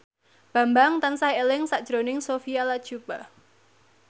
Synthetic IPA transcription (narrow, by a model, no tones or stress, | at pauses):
b̥a̤mbaŋt̪ansaelɪŋsaʔd̥ʒ̥ɾonɪŋsofialad̥ʒ̥ub̥a